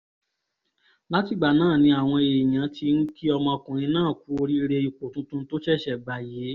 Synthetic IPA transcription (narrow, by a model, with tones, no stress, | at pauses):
la˦ti˦˨ɡ͡ba˨nãː˦˨nĩ˧a˨w̃ɔ̃˧e˨j̃ã˨˦ti˧n̩˦ki˦ɔ˧mɔ̃˧kũ˨nĩ˧nãː˦˨ku˦o˧ɾi˦˧ɾe˧i˨˧ko˨tũ˦tũ˦to˦t͡ʃɛ˦˨ʃɛ˦˨ba˨je˨˦